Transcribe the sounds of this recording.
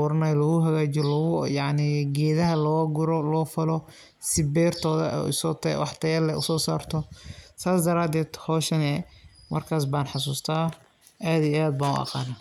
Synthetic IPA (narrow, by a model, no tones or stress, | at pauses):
ʊɾɐnɐjlɔɣʊɦɐɣaːt͡ʃɔlɔɣʊjɑʕniɡɛːðɐɦɐlɔːɡʊɾɔlɔːfɐlɔ | sɪbɛːrt̪ʰɔːðɐ̰ʔʊ̰sɔːt̪ʰwɑħt̪ʰɐjɐlɛʊ̰sɔːsaːrt̪ʰɔsaːsd̪ɐɾaːd̪ɛːd̪̥hɔːʃɐnɛmɐ̰rkʰaːs̬baːnħɑs̬uːst̪ʰaː | ʔaːðiaːd̪̚baːnʊ̰ʔɑ̰qɑ̰ːna